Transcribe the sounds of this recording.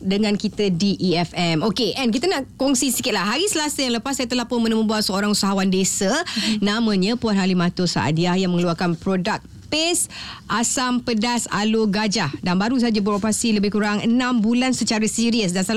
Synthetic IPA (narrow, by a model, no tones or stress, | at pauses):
dəŋãnkit̪ədiʔiɛfɛmokeʔɛnk̬it̪anaʔkɔŋsisikɪt̪̚laɦaɾisəlasəjaŋləpasːajət̪əlahpʊnmənəməbuaʔsəoɾaŋusaɦawandesənãmə̃ɲə̃puanɦalimãt̪osa̰a̰diahjaŋməŋəluarkanpɾodak̚ | pesʔasampədasa̰loɡad͡ʒahdanbaɾus̬ad͡ʒabəɾopɾasiləbɪhkuɾaŋənãmbulansət͡ʃaɾəsiɾiəs̬dansal